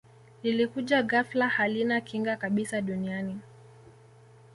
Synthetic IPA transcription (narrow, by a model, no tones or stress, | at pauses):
lilikuʄaɣaflahalinakiŋɡakaɓisaɗuniani